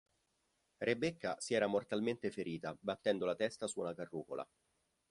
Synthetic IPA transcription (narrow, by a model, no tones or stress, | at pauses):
rebːekːasiɛːɾamort̪alment̪efeɾiːt̪abat̪ːɛnd̪olat̪ɛst̪asuːnakarːuːkolʔa̰